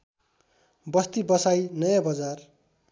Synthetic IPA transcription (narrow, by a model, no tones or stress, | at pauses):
bʌst̪ibʌsajnʌjãbʌd͡zar